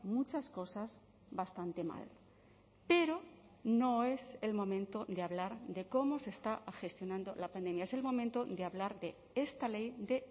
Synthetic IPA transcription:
mut͡ʃasko̞saz | βast̪ant̪e̞ma̰l | pe̞ɾo | no̞e̞se̞lmõ̞mẽnt̪odeaβlaɾðe̞ko̞mo̞se̞st̪axe̞st̪jo̞nãnd̪o̞lapand̪e̞mjaese̞lmo̞mẽnt̪o̞d̪eaβlaɾðe̞ | e̞st̪ale̞jd̪e̞

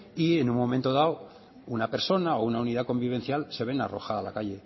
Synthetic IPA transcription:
ie̞nuŋmo̞mẽnt̪o̞ðao | unape̞ɾso̞nao̞unauniðako̞mbiβ̞e̞n̟θjalse̞β̞e̞naro̞̰xaðala̰kaʎe̞

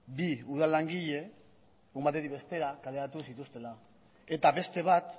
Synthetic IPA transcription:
biuðalaŋɡiʎe̞ | umbat̪e̞t̪iβe̞st̪e̞ɾakale̞at̪usit̪ust̪e̞la | e̞t̪aβe̞st̪e̞β̞at̪

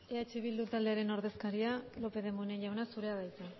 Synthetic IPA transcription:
eat͡ʃiβ̞ild̪ut̪ald̪e̞aɾe̞no̞ɾðe̞skaɾialo̞pe̞ðe̞muneʎawnasuɾe̞aðajt͡s̪a

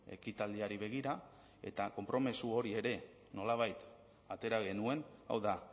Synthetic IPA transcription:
e̞̰kit̪ald̪iaɾiβe̞ɣ̞iɾa | e̞̰t̪ako̞mpɾo̞mesuoɾie̞ɾe̞ | no̞laβ̞ajt̪ | at̪e̞ɾaɣ̞e̞nue̞na̰wða

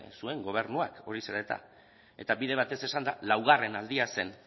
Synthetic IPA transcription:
sue̞ŋɡo̞β̞e̞ɾnuako̞ɾise̞ɾaet̪a̰ | e̞t̪aβiðe̞β̞at̪e̞se̞sand̪alawɣ̞are̞nald̪iase̞n

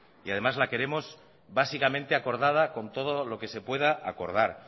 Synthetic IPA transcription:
iað̞e̞mazlake̞ɾe̞mo̞z | basikamẽ̞nt̪eako̞ɾð̞að̞ako̞nt̪o̞ðolo̞ke̞se̞pwe̞ð̞aʔako̞ɾð̞aɾ

